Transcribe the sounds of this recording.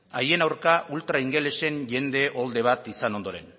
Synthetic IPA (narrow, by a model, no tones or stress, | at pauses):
aje̞nawɾkaʔult̪ɾaiŋɡe̞le̞se̞nʝe̞nd̪e̞ʔo̞ld̪e̞β̞at̪isano̞nd̪o̞ɾe̞n